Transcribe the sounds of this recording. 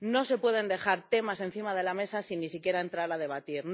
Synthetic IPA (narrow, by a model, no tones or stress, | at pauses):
no̞se̞pwe̞ðe̞nd̪e̞xaɾt̪e̞mase̞n̟θimað̞e̞lame̞sasinːisikje̞ɾae̞nt̪ɾaɾað̞e̞β̞at̪iɾn